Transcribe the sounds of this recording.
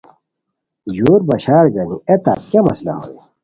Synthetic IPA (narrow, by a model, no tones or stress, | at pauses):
ʑuːɾbɐɕaːɾɡɐnuet̪a̰t̚kɐmɐsla̰ɦo̰i